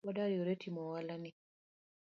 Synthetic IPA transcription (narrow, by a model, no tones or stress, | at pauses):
ɔdaɾjoɾetʰimɔwalani